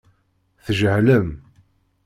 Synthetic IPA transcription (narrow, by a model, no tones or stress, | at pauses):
θʒəhləm